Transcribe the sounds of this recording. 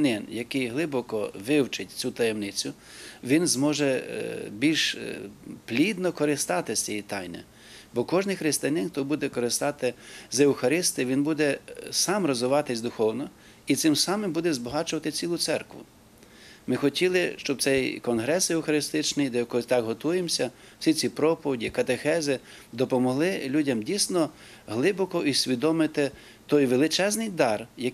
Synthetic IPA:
nɪnjɐkɪjɦlˠɪbɔkɔʋɪwt͡ʃɪtʲt͡sʲut̪ɐjɛmnɪt͡sʲʊ | ʋʲinzmɔʒɛbʲilʲʃ | plʲid̪nɔkɔɾɪst̪ɑt̪ɪsʲt͡sʲijit̪ɑjnɪ̰ | bɔkɔʒnɪjxɾɪst̪ɪjɐnɪnkt̪ɔbud̪ɛkɔɾɪst̪ɑt̪ɪzewxɐɾɪst̪ɪʋʲinbud̪ɛsɑmrɔzʊʋɑt̪ɪsʲd̪ʊxɔwnɔ | it̪sɪmsɑmɪmbud̪ɛzbɔɦɑt͡ʃʊʋɐt̪ɪt͡sʲilˠʊt̪sɛrkʋʊ̰ | mɪxɔtʲilˠɪʃt͡ʃɔb̚t̪sɛjkɔnɦɾɛsewxɐɾɪst̪ɪt͡ʃnɪjd̪ɛjɐkɔt̪ɑkɦɔt̪ujemsʲɐ | w̥sʲit͡sʲipɾɔpɔʋʲidʲikɐt̪exɛzɪ | d̪ɔpɔmɔɦlˠɪlʲudʲɐmdʲijsnɔ | ɦlˠɪbɔkɔʔisʲʋʲid̪ɔmɪt̪ɪ | t̪ɔjʋelˠɪt͡ʃɛznɪjd̪ɑrjɐ

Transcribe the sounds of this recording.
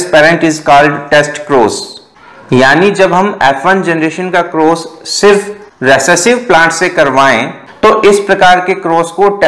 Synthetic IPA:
spɛːɾə̃ɳʈɪzkɔːlɖʈɛːsʈkɾoːz | jaːnid͡ʒɐbɦɐmɛːfənd͡ʒɛnɾeːʃənkakɾoːzsɪɾf | ɾɛsɛsɪʋplãːɳʈsekɐɾʋaːḛ̃ | t̪oʔɪspɾɐkaːɾkekɾoːskoʈ

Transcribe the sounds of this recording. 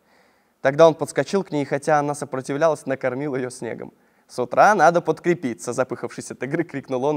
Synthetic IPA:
t̪ɐɡd̪ao̞npət̪skɐt͡ɕilˠknʲejxɐtʲaɐnasəpɾətʲɪvlʲalˠəsʲnəkɐrmʲilˠjɪjosʲnʲḛɡə̰m | sʊt̪ɾʔanad̪əpət̪kɾʲɪpʲit̪səzɐpɨxəfʂɨsʲɐt̪ɨɡɾɨkɾʲiknʊlˠon

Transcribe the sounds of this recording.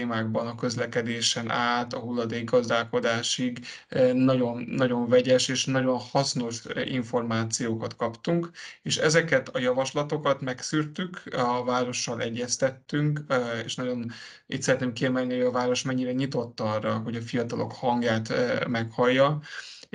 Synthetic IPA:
eːmaːɡ̚bɒnɒkø̞zlɛkɛd̪eːʃɛnʔaːt̪ɒɦulːɒd̪eːɡɡɒzd̪aːlko̞d̪aːʃiɡ | nɒɟo̞nːɒɟo̞ɱvɛɟɛʃeːʃnɒɟo̞nhɒsno̞ʃḭɱfo̞rmaːt̪sijoːkɒt̪kɒpt̪uŋkeːʃɛzɛkɛt̪ɒjɒvɒʃlɒt̪o̞kɒt̪mɛksyrt̪ykɒvaːɾo̞ʃːɒlʔɛɟːɛst̪ɛt̪ːyŋkḛːʃnɒɟo̞n | ḭːt̪sɛɾɛt̪neːmkːiɛmɛlniho̞ɟɒvaːɾo̞ʃmɛɲːiɾɛɲit̪o̞t̪ːɒrːɒɦo̞ɟɒfijɒt̪ɒlo̞̰khɒŋɡjaːt̪mɛkhɒjːɒ

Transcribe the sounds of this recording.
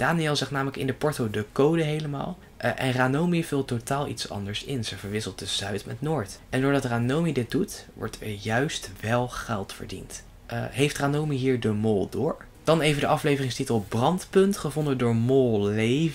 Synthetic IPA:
d̥aːniɛlˠzɛχtnaːmələkɪ̰ndəpɔɹtowdəkowdəɦejləma̰ːlˠ | ʔʔɛ̰nraːnowmivɪlˠtotaːlˠḭtsɑ̰ndəɹsɪnzəvəɹʋɪsəlˠt̚dəzœɥtmɛ̰tnʊːɹtʔɛndʊːɹdɑtranowmidɪt̚dutʋɔ̰ɹtʋɪ̰jœɥstʋɛlˠχɛlˠtfə̰ɹdḭnt | ʔɦejftraːnowmiɦiːɹdəmolˠdʊːɹ | d̥ɑnejvədəʔɑflejvərɪŋstitəlˠbrɑntpɵntχəvɔndədʊːɹmolˠlej

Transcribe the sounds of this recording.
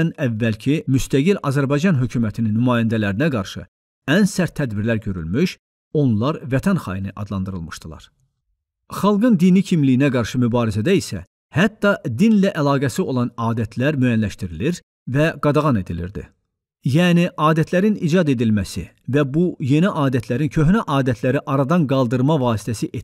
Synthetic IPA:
nævːælcʰimyst̪æɡilʔɑzæɾbɑjd͡ʒɑnɦø̞cʰuːmæt̪ʰininːymɑːjænd̪ælæɾinæɡɑɾʃɯ̰ | ænsæɾt̪ʰːæd̪biɾlæɾɟø̞ɾy̰lmyʃ | o̞nlˠɑɾvæt̪ʰænχɑ̰jɯnɯʔɑ̰d̪lˠɑnd̪ɯɾɯlˠmɯʃd̪ɯlˠɑ̰ɾ̥ | χɑlˠɡɯnd̪inicʰimlijinæɡɑɾʃɯmybɑːɾizæd̪æisæ̰ | hæt̪ːɑd̪inlæʔælˠɑːɡæsio̞lˠɑnɑːd̪æt̪ʰlæɾmøjænlæʃt̪iɾiliɾ | væɡɑd̪ɑʁɑne̞d̪ilḭɾd̪ḭ | jæːniʔɑːd̪æt̪ʰlæɾinḭd͡ʒɑd̪e̞d̪ilmæsḭ | væbuje̞niʔɑːd̪æt̪ʰlæɾincʰø̞ɦnæʔɑːd̪æt̪ʰlæɾiʔɑɾɑd̪ɑnɡɑlˠd̪ɯɾmɑvɑːsi̥t̪ʰæsiʔe

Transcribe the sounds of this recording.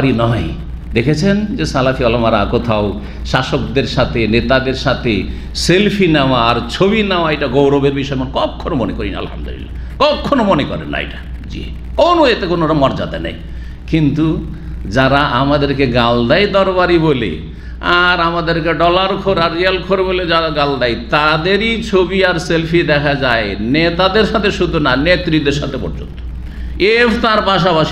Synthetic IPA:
ɾinɔj | d̪ekʰet͡ɕʰend͡ʑesalafʰiɔlamaɾakot̪ʰao | ʃaʃokd̪eɾʃat̪ʰenet̪ad̪eɾʃat̪ʰe | selpʰinawaːɾt͡ɕʰobinaoaejʈaɡowɾɔbeɾbiʃɔemonkɔkʰːonomonekoɾina̰a̰lha̰md̪o̰lḭlːa̰ | kɔkʰːonomonekɔ̰ɾḛnːa̰jʈḁ | d͡ʑḭe | kownoet̪ekonoɾamɔɾd͡ʑa̰d̪a̰nɛ̰j | kint̪u | d͡ʑaɾaʔamad̪eɾkeɡald̪ajd̪ɔɾbaɾibolḛ | a̰ɾamad̪eɾkeɖɔlaɾkʰoɾaɾːialkʰoɾeboled͡ʑaɾaɡald̪ajt̪ad̪eɾit͡ɕʰobiaɾselpʰid̪ɛkʰad͡ʑaenet̪ad̪eɾʃat̪ʰeɾʃud̪ʱonanet̪ɾid̪eɾʃa̰t̪ʰepo̰ɾd͡ʑo̰nt̪o̥ | eft̪aɾpaʃapaʃi̥

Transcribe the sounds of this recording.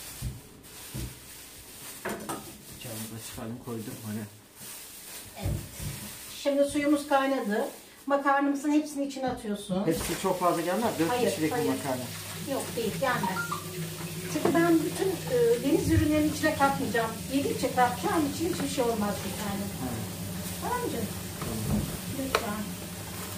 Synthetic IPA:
d͡ʒʰanɯzat͡ʃʰɯ̥kaɾd̪ɯmkʰo̞jd̪umhanɛ | evɛt̪ʃimd̪isujumuzkʰajnad̪ɯ | makʰaɾnɯmɯzɯnɦepsiniit͡ʃʰinat̪ʰɯjo̞sunesi̥t̪it͡ʃʰo̞kfazlˠaɟælʲmæɾd̪øajɾʃiɾecaimakʰaɾnɯ | jokd̪e̞jilʲjaːnɪ | t̪ʰɯkibænbyt̪ʰynɯːd̪e̞nizjyɾynlʲe̞ɾinit͡ʃʰinʲɛkʰat̪mɯd͡ʒamjed̪it͡ʃʰɛklaɾt͡ʃʰanit͡ʃʰinhit͡ʃbiʃejo̞lˠmazd̪ɯkaːnɯaj | aland͡ʒa | d̪ian

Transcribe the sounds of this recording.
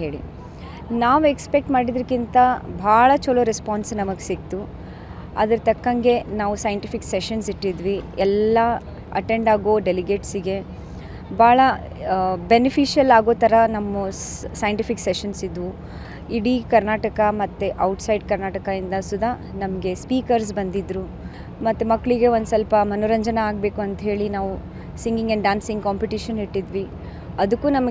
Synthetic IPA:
ɦeːɭḭ | naːʋuekspek̚ʈmaːɽid̪ɐɾkint̪ɐbʱaːɭɐt͡ʃɔloɾespaːnsnɐmɐɡesikt̪u | ɐ̰d̪ɐɾt̪ɐkːɐŋɡe̞naːʋusɐjɐɳʈipʰikseʃɐnsiʈːid̪ʋiɛlːɐ | ɐ̰ʈeɳɖaːɡoːɖeliɡe̞ːʈsiɡe̞ | bʱaːɭɐ | benipʰiːʃijɐlaːɡoːt̪ɐɾɐnɐmːusɐjɐɳʈipʰikseʃɐnsid̪ʋu | iɽikɐɾnaːʈɐkɐmɐt̪ːeʔɐwʈsɐjɖkɐɾnaːʈɐkɐind̪ɐsud̪ʱaː | nɐmɐɡe̞spiːkɐɾs̬bɐnd̪id̪ɾu | mɐt̪ːemɐkːɐɭiɡe̞ond̪sɐlpɐmɐnuɾɐɲd͡ʒɐnɐaːɡ̚be̞ːkuɐnt̪ɐɦe̞ːɭinaːʋu | siŋɡiŋɡɐɳɖɖaːnsiŋɡkaːmpiʈiʃɐniʈːid̪ʋi | ɐd̪ukːuːnɐmɐ

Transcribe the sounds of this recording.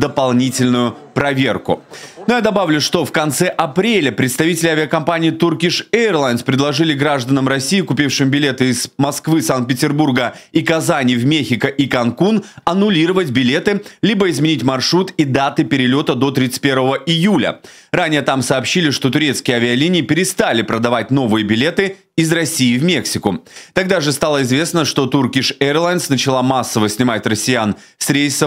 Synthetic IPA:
d̪əpɐlˠnʲitʲɪlʲnʊjʊ | pɾɐvʲe̞rkʊ̰nʊjad̪ɐbavlʲʊʂt̪o̞fkɐnt̪sɛʔɐpɾʲelʲəpɾʲɪt̪st̪ɐvʲitʲɪlʲɪavʲɪɐkɐmpanʲɪːt̪urkʲiʂerlˠajnspɾʲɪdlˠɐʐɨlʲɪɡɾaʐd̪ənəmɾɐsʲːiːɪkʊpʲifʂɨmbʲɪlʲe̞t̪ɨɪz̥mɐskvɨsank̪̚pʲɪtʲɪrburɡəikɐzanʲɪvmʲexʲɪkəʔikɐnkunɐnʊlʲiɾəvətʲbʲɪlʲe̞t̪ɨlʲibəɪzmʲɪnʲitʲmɐrʂɾut̪id̪at̪ɨpʲɪɾʲɪlʲo̞t̪əd̪o̞t̪ɾʲit̪ɨ̥t̚ʲpʲervəvəʔɪjulʲə̰ | ranʲɪjət̪amsɐːpɕːilʲɪʂt̪o̞t̪ʊɾʲe̞t̪skʲɪjəɐvʲɪɐlʲinʲɪːpʲɪɾʲɪst̪alʲɪpɾəd̪ɐvat̚ʲno̞vɨjəbʲɪlʲe̞t̪ɨ | ɪzrɐsʲiːvmʲe̞ksʲɪkʊt̪ɐɡ̚d̪aʐɨst̪alˠəɪzvʲe̞snəʂt̪o̞t̪urkʲɪʂɛrlˠajnsnət͡ɕɪlˠamasːəvəsʲnʲɪmatʲrəsʲːɪjan | fsʲɾʲeɪsə

